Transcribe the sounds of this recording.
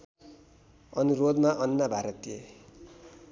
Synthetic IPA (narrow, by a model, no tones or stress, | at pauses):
ʌnurod̪maʔʌnːabʱaɾʌt̪ie